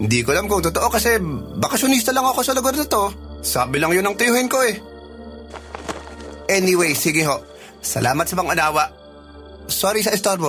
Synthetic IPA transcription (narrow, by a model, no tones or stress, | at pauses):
hɪnd̪ikolamkʊŋt̪ʊt̪oʔokɐsɛbɐkɐʃʊnist̪ɐlɐŋɐko̞sɐlʊɡaɾnɐt̪o̞saːbɪlɐŋjonɐŋt̪ɐjʊhɪnko̞ɛ | ʔɛnɪwejsiːɡɪɦo̞ʔ | sɐ̰lʔaːmɐt̪sɐpɐŋɐnaːwɐʔ | soɾis̬ɐʔɪst̪oɾbo